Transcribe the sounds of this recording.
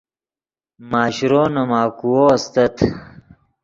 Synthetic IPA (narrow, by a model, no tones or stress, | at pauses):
maːɕɾoːnɐmaːkuwoːɐst̪ɐt̪ʰ